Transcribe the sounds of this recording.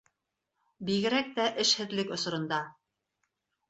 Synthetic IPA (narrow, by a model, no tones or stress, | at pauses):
biɣɘ̆ɾæk̚t̪æʔɘʃhɘ̆ðlɘkŏsŏɾɤ̆nd̪ɑ